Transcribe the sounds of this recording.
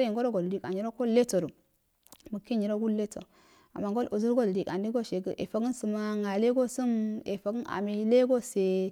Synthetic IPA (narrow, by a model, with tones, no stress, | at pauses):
i˨ŋɡo˦ɾo˦ɡo˨ldi˦˨ka˨ɲi˨ɾo˦ko˦le˦to˨ɾu˨ | mu˨ke˦ɲi˨ɾo˦ɡu˦lle˦to̰˨ | a̰˨ma˨ŋɡo˦lʔo˨zu˦ɾɡo˦ldi˨ka˨ndi˦ɡo˦ʃe˨ɡə̰˦ʔḛ˨fa˨ɡə˦nsu˨ma˦ŋa˨le˦ɡo˦su˦mḛ˨fa˨ɡə˦na̰˨me˨le˦ɡo˦se˨